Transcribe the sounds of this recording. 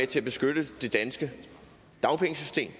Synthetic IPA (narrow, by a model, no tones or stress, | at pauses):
et͡sʰe̝læb̥e̝sɡ̥ød̥əd̥e̝d̥ænsɡ̥ə | d̥ɑ̈ʊnpʰeŋsysd̥e̝̰ːm